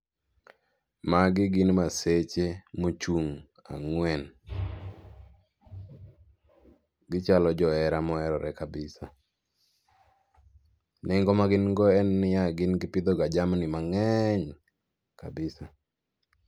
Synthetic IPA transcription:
maɡɪɡɪnmaset͡ʃemot͡ʃuŋ | a̰ŋwɛn | ɡɪt͡ʃalɔd͡ʒɔɛɾamɔɛɾɔɾɛkabɪsa | nɪŋɡɔmaɡɪnŋɡɔɛnːɪjaɡɪnɡɪpɪd̪ɔɡad͡ʒamnɪmaŋɛɲ | ka̰bɪsa

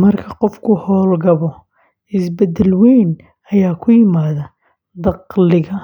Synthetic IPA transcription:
mɐrkʰɐqɔfkʰʊhɔːlɡɐβɔ | ɪsbɐd̪ɛlwɛːn | ɐjaːkʰʊjɪmaːðɐ | d̪ɑqlɪɣɐ

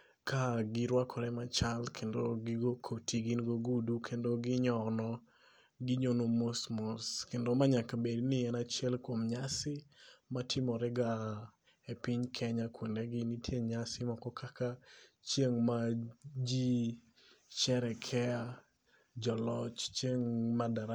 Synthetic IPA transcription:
kʰaɡɪɾwakʰɔɾɛmat͡ʃalkʰendoɡɪɡokʰotiɡinɡoɡudukʰendoɡɪɲɔnɔ | ɡɪɲonomosmɔskendomaɲakabednɪɛnat͡ʃjɛlkwomɲasɪmatʰɪmɔɾɛɡa | epɪɲkʰɛɲakwendɛɡɪnitʰjeɲasɪmakɔkaka | t͡ʃjeŋmad͡ʒi | t͡ʃɛɾɛkʰɛa | d͡ʒɔlɔt͡ʃt͡ʃeŋmadaɾa

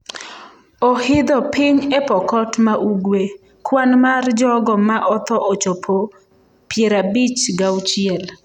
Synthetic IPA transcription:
ɔhɪd̪ɔpɪɲɛpɔkɔtmaʔuɡwe | kwanmard͡ʒɔɡɔmaʔɔt̪ɔʔɔt͡ʃopʰo | pjeɾabit͡ʃɡawt͡ʃɪɛl

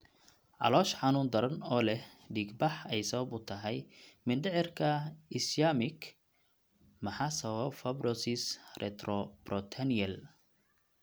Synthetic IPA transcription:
ʕɑ̰lɔːʃħɑnuːnd̪ɐɾɐnɔːlɛh | ɖiːɡbɑħɛjsɐβɐbʊt̪ʰɐɦɛjmɪnɖɪʕɪrkʰɐɪslaːmɪk | mɐħaːsɐβɐbfɐbrɔsɪsrʔɛ̰t̪rɔb̥rɔt̪ʰɐniɐl

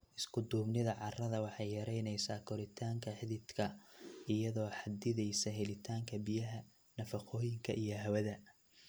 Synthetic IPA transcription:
ʔɪskʰʊd̪uːbnɪðɐʕɑrɐðɐwɑħɑjjɐɾɛjnɛjsaːkʰɔɾɪt̪ʰaːŋkʰɐħɪðɪd̪kʰɐʔɪjɐðɔːħɑd̪ɪðɛjsɐɦɛlɪt̪ʰaːŋkʰɐbijɐɦɐ | nɐfɑqʰɔːjɪŋkʰɐʔijɞɦɐwɐðɐ

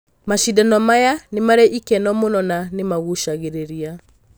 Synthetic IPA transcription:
maʃidanɔmajanemaɾɛʔikɛnɔmonɔnanemaɣuʃaɣeɾeɾia

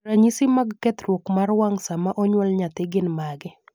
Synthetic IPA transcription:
ɾaɲisɪmaɡkɛt̪ɾwokmarwaŋsamaʔɔɲwɔlɲat̪ɪɡɪnmaɡɪ

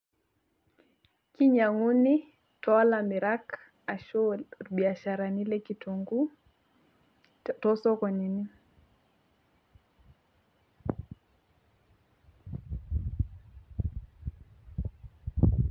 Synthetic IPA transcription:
kiɲaŋuni | tɔalamiɾak | aʃɔɓiaʃaɾanilɛkitoŋɡu | tɔsɔkɔnini

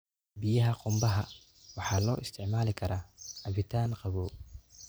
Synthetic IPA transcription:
bɪjɐɦɐqʊmbɐɦɐ | wɑħɑːlɔːʔɪst̪ʰɪʕmaːlɪkʰɐɾaːʔɐβɪt̪ʰaːnqɑβɔː

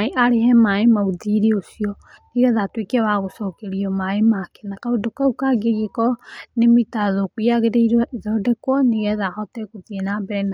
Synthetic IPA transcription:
eʔaɾehɛmaemauðiɾeosiɔ | niɾɛðatwekɛβaɣosɔkeɾiɔmaemakɛ̥nakaodokaukaɡeɣekɔnemitaðokujaɣeɾeiɾwaʔeðɔdɛkwɔneɣɛðahɔtɛkoðienabɛna

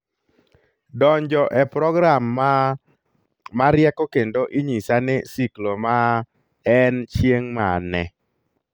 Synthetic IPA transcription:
dɔɲd͡ʒɔʔɛpɾɔɡɾam | aɾjɛkɔkendoʔiɲisanɪsikloma | ɛnt͡ʃjeŋma̰nɛ̰

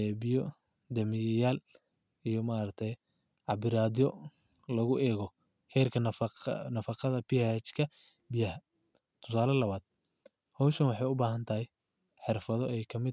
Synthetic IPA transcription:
ɛːbɪjɔ | d̪ɐmɪjaːl | ijɔmaɾɐk̚t̪ʰɛj | ʕɑbɪɾaːd̪ɪjɔ | lɐɣʊʔɛːɣɔ | hɛːrkʰɐnnɐfɑqɑðɐpiat͡ʃkʰɐ | bɪjɐhɐ | t̪ʰʊ̥saːlɐlɐβaːd̪̥̚ | hɔwʃɐnwɑħɑjʊbaːɦɐnt̪ʰɐhɛj | ħɪrfɐðɔɛːjkʰɐmɪd̪

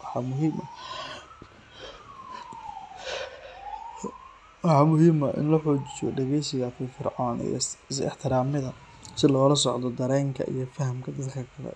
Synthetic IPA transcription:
wɑħɑmʊɦiːmɐ | wɑħɑːmʊɦiːmɐʔɪ̰nlɐħɔːt͡ʃɪ̥jɔ̰ɖɛɣɛjsɪɣɐfɪfɪrʕaːnḭj̰sɪ̰ħt̪ʰɪɾaːmɪðɐ | sɪlɔːlɐsɔʕd̪ɔd̪ɐɾɛːŋkʰɐ̰ʔḭjɞfɐɦɐmkʰɐd̪ɐd̪kʰɐkʰɐlɛ̰

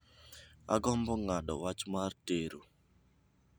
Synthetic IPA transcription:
a̰ɡɔmbɔŋaɗɔwat͡ʃmarteɾo

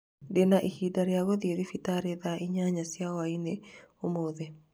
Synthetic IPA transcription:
denaʔihidaɾjaɣoðjeðifitaɾeðaiɲaɲasjawaineomoðe

